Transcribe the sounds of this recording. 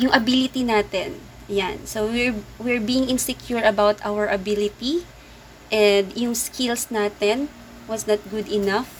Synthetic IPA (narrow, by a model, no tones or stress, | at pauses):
jʊŋʔɐbilɪt̪inaːt̪ɛn | jansowɪɹwɪɹbiːjɪŋɪ̃nsɛkjuɹɐbawt̪ʔawəɹʔɐbilɪt̪i | ʔɛnd̪jʊŋskʰɪlsnaːt̪ɛn | wɐsnɐt̪̚ɡʊd̪ɪnɐf